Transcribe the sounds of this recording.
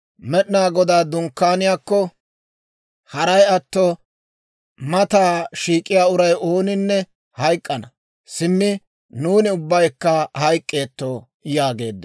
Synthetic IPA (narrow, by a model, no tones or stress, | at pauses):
mɛɗnaːɡɔd̪aːd̪ʊŋkːaːnɪjaːkːɔ | hɐɾɐjɐt̪ːɔ | mɐt̪aːʃiːkʼːɪjaːʊɾɐjo̞ːnɪnːɛ | hɐjkʼːɐnɐ | sɪmːɪ | nuːnɪʊbːɐjkːɐhɐjkʼːe̞ːt̪ːo | jaːɡe̞ːd̪ː